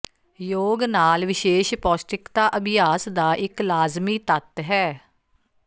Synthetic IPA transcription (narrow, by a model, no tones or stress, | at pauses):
joːɡnaːlʋɪʃeːʃpɔːsʈɪkt̪aːʔəbɪjaːsd̪aːʔɪklaːzmiːt̪ət̪ɦɛː